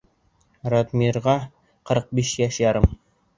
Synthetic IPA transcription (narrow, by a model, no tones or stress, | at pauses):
ɾot̪miɾʁɑ | qɤ̆ɾq̚biʃjæʃjɑɾɤm